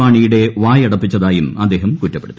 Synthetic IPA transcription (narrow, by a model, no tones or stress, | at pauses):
aːɳijuɽe̞ʋaːjɐɽɐpːit͡ɕːɐðaːjumɐd̪ːe̞ːɦɐmkutːɐpːeɽut̪ːi